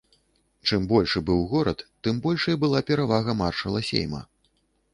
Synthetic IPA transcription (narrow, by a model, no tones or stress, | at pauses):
t͡ʂɨmbɔlʲʂɨbɨwɣɔɾɐt̪ːɨmbɔlʲʂɐjibɨlˠapʲɛɾavaɣɐmarʂɐlˠɐsʲḛjmɐ̰